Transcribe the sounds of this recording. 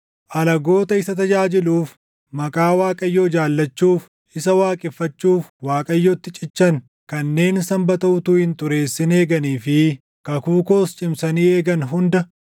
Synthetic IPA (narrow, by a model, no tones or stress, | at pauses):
ʔɐlɐɡo̞ːt̪ɐɪsɐt̪ɐd͡ʒaːd͡ʒɪluːf | mɐkʼaːwaːkʼɐjːoːd͡ʒaːlːɐt͡ʃːuːf | ʔɪsɐwaːkʼɪfːɐt͡ʃːuːfwaːkʼɐjːoːt̪ːɪt͡ʃʼɪt͡ʃːɐn | kɐnːe̞ːnsɐmbɐt̪ɐʔʊt̪uːhɪnt̪ʊɾe̞ːsːɪne̞ːɡɐniːfɪ | kɐkuːko̞ːst͡ʃʼɪmsɐniːe̞ːɡɐnɦʊnd̪ɐ